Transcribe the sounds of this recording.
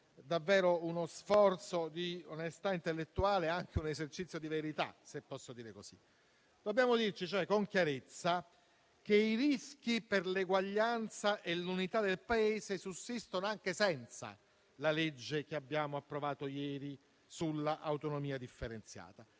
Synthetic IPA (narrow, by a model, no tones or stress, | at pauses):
d̪avːɛːɾounosfɔrt̪sod̪ionest̪aint̪elːet̪ːuaːleaŋk̟eunezert͡ʃit̪sːjod̪iveɾit̪a̰sepːɔsːod̪iːɾekosḭ | d̪̥obːjaːmod̪irt͡ʃit͡ʃoɛkoŋkjaɾet̪sːa | k̟eiɾisk̟iperleɡwaʎːant̪saʔelːunit̪ad̪elpaeːzesusːist̪onoaŋk̟esɛnt̪sa̰ | laled͡ʒːek̟eabːjaːmoapːɾovaːt̪ojɛːɾi | sulːaʔawt̪onomiːad̪ifːeɾent̪sja̰ːt̪a